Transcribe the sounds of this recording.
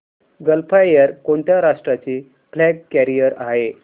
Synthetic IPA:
ɡəlpʰajəɾkoɳt̪jaɾaʂʈɾat͡ɕiː | flɛɡkæɾijəɾaɦe

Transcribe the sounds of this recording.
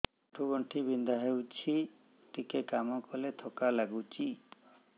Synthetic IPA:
ʈʰuɡɔɳʈʰibind̪aɦewt͡ʃʰi | ʈikekamɔkɔlet̪ʰɔkalaɡut͡ʃʰi

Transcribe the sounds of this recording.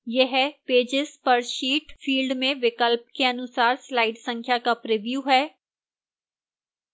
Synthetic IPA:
jeɦɛpeːd͡ʒɪzpɐɾʃiːʈfʰiːlɖmẽʋɪkəlp̚keɐnʊsaːɾslaːɪɖsə̃ŋkʰjakapɾɪʋjuːɦɛː

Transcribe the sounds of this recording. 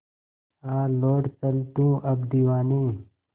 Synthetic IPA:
aːloːʈt̪ɐlt̪ũːʔɐb̚d̪iwaːniː

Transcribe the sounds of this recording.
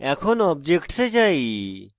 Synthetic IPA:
ɛkʰɔnɔb̚d͡ʒekʈsed͡ʒai

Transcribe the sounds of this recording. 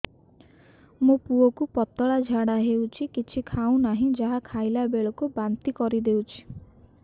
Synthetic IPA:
mũpuɔkupɔt̪ɔɭad͡ʒʱaɽaɦewt͡ʃʰikit͡ʃʰikʰaũnaɦĩd͡ʒaɦakʰajlabeɭɔkubant̪ikɔɾid̪ewt͡ʃʰi̥

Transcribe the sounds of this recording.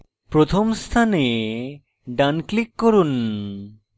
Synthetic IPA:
pɾot̪ʰomst̪ʰane | ɖanklikːoɾun

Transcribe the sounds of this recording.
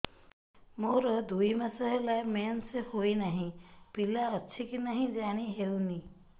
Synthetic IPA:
moɾɔd̪ujmasəɦelajmensehojnaɦĩpilaətːʃʰikinaɦĩd͡ʒaɽ̃iɦewni

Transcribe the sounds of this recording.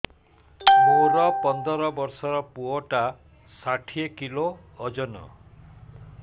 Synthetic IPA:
oɾɔpɔnd̪ɔɾɔbɔɾsɔɾɔpuɔʈa | saʈʰiekiloː | d͡ʒɔnɔ̰

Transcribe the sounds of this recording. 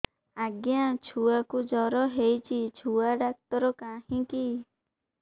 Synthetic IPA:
aɡjat͡ʃʰuakud͡ʒɔɾɔɦejt͡ʃʰit͡ʃʰuaɖak̚t̪ɔɾɔkahĩki

